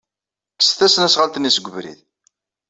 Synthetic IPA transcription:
sθæsənæsʁəlt̪ənːisəɡʷːəvɾḭð

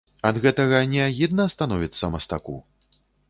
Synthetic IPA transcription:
ɐd̪ɣɛt̪ɐɣɐnʲɛaɣʲid̪nɐːst̪anɔvʲit̪sːɐmɐst̪akṵ

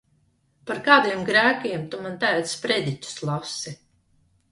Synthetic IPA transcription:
paɾkaːd̪iɛmɡɾæːkiɛmt̪umant̪ævt̪spɾɛd̪ʲicu̥slˠasi

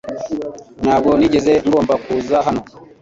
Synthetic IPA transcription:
nabɡoniɟezeŋɡoːmbakuzaɦano

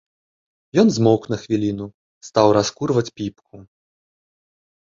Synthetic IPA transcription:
jɔnzmɔknɐxvʲilʲinu | st̪awɾaskurvɐt͡sʲpʲipkʰu

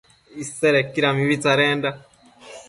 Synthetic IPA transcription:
iseɾekːiɾamiβitaɾeːnda

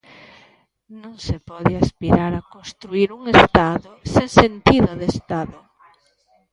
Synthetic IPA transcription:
nõŋsepɔðɪaspiɾaɾakõnst̪ɾuiɾuŋest̪aðʊsẽŋsent̪iðʊðest̪aðʊ

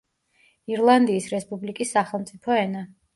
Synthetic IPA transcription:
iɾlˠand̪iːsɾɛspʼublikʼisːaχɛlˠmt̪sʼipʰɔɛna

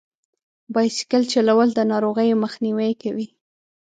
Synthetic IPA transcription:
bɑjsɪ̥kəlt͡ʃalawəld̪ənɑɾoɣəjoməxniwejkawi

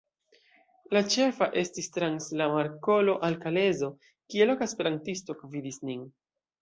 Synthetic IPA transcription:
lat͡ʃe̞faʔe̞stistɾanslamaɾko̞lo̞ʔalkale̞zo̞ | kie̞lo̞kaspe̞ɾantisto̞kovidisnin

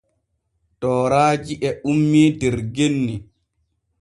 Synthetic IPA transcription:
tɔːɾaːd͡ʒiʔɛʔumːidɛɾɡenːi

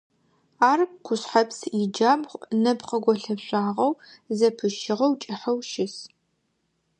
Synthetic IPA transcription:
aːrkʷʊɕħɐpsid͡ʒaːbχʷʼnɐbqɐɡʷɔɬɐpɕʷʼaːʁɐwzɐpʰɨʃɪʁɐwt͡ʃʼɪħɐwʃɪs

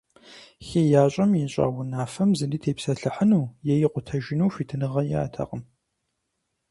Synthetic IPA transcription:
xeːjaːɕʼɐmjɛnɕʼa̰ːwʊnaːfɐmzɨndiːtʰeːpsɐɬɨħənuːjɛjɪqʷʊtʰɐʒɪnuwfiːtʰɨnɨʁɐja̰ːtʰɐ̰qəm

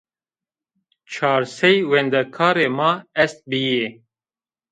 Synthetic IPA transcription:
t͡ʃʰɑːɾsɛjwɛnd̪ɛkʰɑːɾeːmɑːɛst̪̚bije

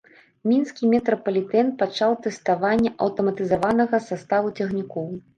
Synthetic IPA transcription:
mʲinskʲimʲɛt̪ɾɐpɐlʲit̪ɛnpat͡ʂawt̪ɛst̪avanʲːɛʔɐwt̪ɐmɐt̪ɨzavanɐɣɐsast̪avut͡sʲɐɣnʲikɔw

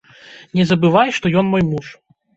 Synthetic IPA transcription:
nʲɛzɐbɨvajʂt̪ɔjɔnmɔjmuʂ

